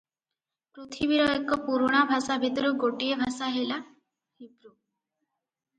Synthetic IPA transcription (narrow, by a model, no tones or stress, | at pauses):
pɾut̪ʰibiɾɔjɔkːɔpuɾuɽ̃abʱasabʱit̪ɔɾuɡoʈiebʱasaɦela | hipɾu